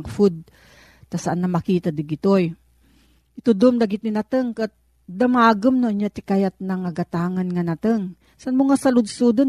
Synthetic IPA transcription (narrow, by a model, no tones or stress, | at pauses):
ɡfud̪̚ | t̪ɐsaʔanːɐmɐkiːt̪ad̪ɪɡɪt̪oj | ʔɪt̪od̪omd̪aɡɪt̪nɪnat̪əŋkat̪̚ | d̪amaːɡomnoʔɲjat̪ɪkajat̪̚nɐŋɐɡat̪aːŋɐnŋanat̪əŋ | sanmʊŋasɐlʊd̪sud̪on